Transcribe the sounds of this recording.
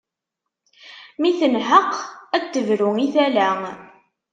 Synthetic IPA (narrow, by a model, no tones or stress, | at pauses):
miθənɦəqːæk̚t̪ːəvɾʊiθælæ